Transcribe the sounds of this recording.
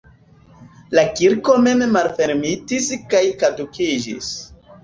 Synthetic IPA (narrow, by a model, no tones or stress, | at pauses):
lakiɾko̞me̞mmalfe̞ɾmitiskajkadukid͡ʒḭs